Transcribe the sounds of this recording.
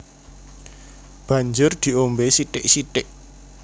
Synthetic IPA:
b̥ä̤ɲd͡ʒʊrd̪̥i̤ombesiʈɪʔsiʈtɪʔ

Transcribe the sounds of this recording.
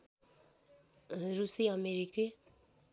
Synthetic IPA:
ɾusiameɾike

